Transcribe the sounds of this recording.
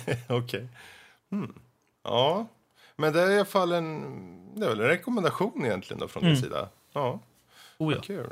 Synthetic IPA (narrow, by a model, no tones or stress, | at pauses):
ɔkʰɛɪ | mm̩ | ɑː | mɛnd̪ɛæɾalafalːɛnd̪ɛæɾvɛlɛnɾɛkɔmɛnd̪aɧuːnɪjɛnt̪lɪɡə̰nd̪ɔ̰fɾɔnd̪ɛsḭːd̪a̰ | ɑ̰ː | kʰʉ̟ː